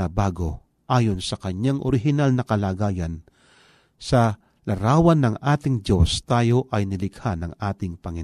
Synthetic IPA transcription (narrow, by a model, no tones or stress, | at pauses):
ɐbaːɡo̞̰ | ʔaːjo̞nsɐkɐɲaŋʔo̰ɾɪɦɪnalnɐkɐlaːɡaːjɐn | sɐ | lɐɾaːwɐnːɐŋʔaːt̪ɪŋd͡ʒo̞st̪aːjo̞ʔɐjnɪlɪɡ̥hanɐŋʔaːt̪ɪŋpɐŋɪn